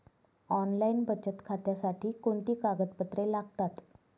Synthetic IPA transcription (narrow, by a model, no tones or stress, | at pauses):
ɔnlainbət͡ɕət̪kʰat̪jasaʈʰiːkoɳt̪iːkaɡət̪̚pət̪ɾelaɡt̪at̪